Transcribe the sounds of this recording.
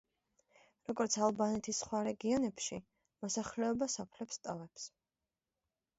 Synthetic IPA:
ɾɔɡɔɾt̪sʰalˠbanɛt̪ʰisχwaɾɛɡiɔnɛpʃi | mɔsaχlɛɔbasɔpʰlɛpst̪ʼavɛps

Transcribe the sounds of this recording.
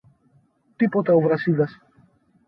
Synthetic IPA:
t̪ipo̞t̪ɐovɾɐsiðɐs

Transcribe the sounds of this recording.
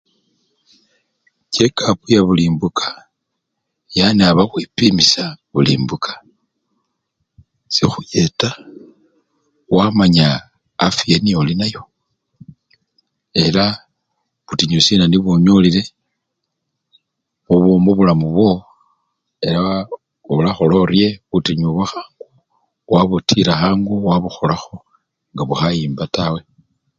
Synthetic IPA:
ce̞kʰapujaβuliːmbukʰḁ | janeaβaxwipimisaβulḭːmbukʰḁ | sixujeta | wamaɲaː | fieniolinajo̞ | e̞la | βutiɲusinaniβoɲolile̞ | βuβomoβulamuβwo̞ | e̞la | olaxolo̞rje̞βutiɲuβaxaːŋɡ̥u | waβutʰiɾaxaːŋɡuwaβuxo̞laxo̞ | ŋɡaβuxajiːmbatawe̞

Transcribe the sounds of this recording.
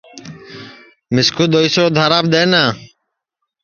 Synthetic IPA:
mɪskuːd̪oːisoːd̪ʱaːɾaːb̚d̪eːnaː

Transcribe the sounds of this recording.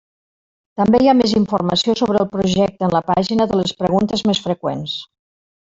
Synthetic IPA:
t̪əmbejameziɱfurməsiosoβɾəːlˠpɾuʒɛk̚t̪ənləpaʒinəðələspɾəɣunt̪əzmesfɾəkwens

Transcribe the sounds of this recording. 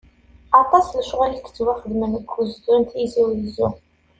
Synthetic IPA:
ɑt̪ˤɑsləʃʁælikə̥t͡sːwaχəd̪mənəkʰʷːuzd̪ʊnt̪iziwjəzu

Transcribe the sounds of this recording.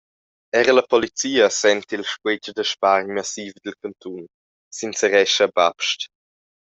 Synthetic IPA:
ɛɾəlɐpɔlit͡siːəsɛnt̪ilʃkwed͡ʒd̪əʃpaɾɲmasiːvd̪əlkant̪un | sinsəɾɛʃəbapʃt

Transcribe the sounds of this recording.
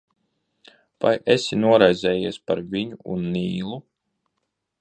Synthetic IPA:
vajʔesinuɔɾajzʲɛːjiɛspaɾviɲuṵnːiːlˠu

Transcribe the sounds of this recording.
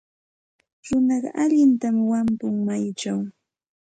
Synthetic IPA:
ɾʊnɑɢɑ̰ʔaʎɪnt̪amwampʊŋmajt͡ʃaw

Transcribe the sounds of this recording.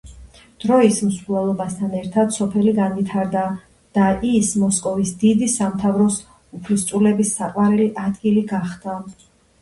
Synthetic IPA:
d̪̥ɾɔismsvlˠalˠɔbast̪ʰanɛɾt̪ʰad̪sɔpʰɛliɡanvit̪ʰaɾd̪a | d̪̥aʔismɔskʼɔvisd̪id̪isamt̪ʰavɾɔs | upʰlist̪sʼulɛbisːaqʼwaɾiliʔad̪ɡiliɡaχd̪̥a

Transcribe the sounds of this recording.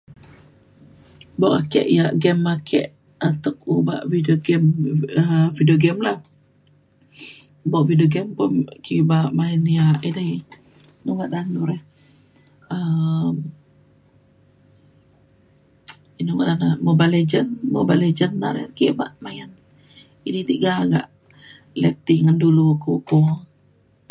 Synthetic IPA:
boʔakɛ̰ʔjaʔɡɛmːakʰɛ̰ʔ | at̪ək̚uba̰ʔvidoɡɛməvidioɡɛmlah | boʔvidioɡɛmpʊnkibaʔmaənjaʔida | nuŋaʔdanuɾɛh | əm | inuɡaʔdanamobaled͡ʒənmobaled͡ʒənːaɾɛ̰kiba̰ʔmajən | idit̪iʔɡaaɡa̰ʔ | lɛt̪iŋandulukoko

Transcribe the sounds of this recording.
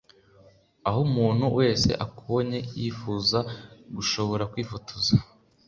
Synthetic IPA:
aɦomuːn̥huwe̞ːse̞̰ʔakʰooɲe̞jiːfuːzaɡuʃo̞βo̞ɾakwiːfotʰoza

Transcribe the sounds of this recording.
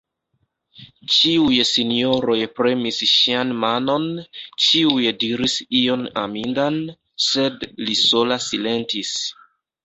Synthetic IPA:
t͡ʃiujsinio̞ɾo̞jpɾe̞misʃianmano̞nt͡ʃiujdiɾisio̞na̰mindan | se̞dliso̞lasile̞ntis

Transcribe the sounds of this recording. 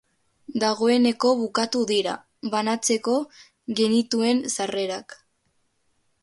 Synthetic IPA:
d̪aɣ̞o̞e̞ne̞ko̞βukat̪uðiɾa̰ | βanat͡se̞ko̞ | ɣe̞nit̪ue̞nsare̞ɾak

